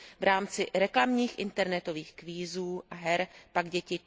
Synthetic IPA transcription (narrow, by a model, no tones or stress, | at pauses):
vɾʔaːmt͡sɪɾɛklamɲiːxʔɪnt̪ɛɾnɛt̪o̞viːxkviːzuːʔaɦɛɾpaɡɟɛcɪ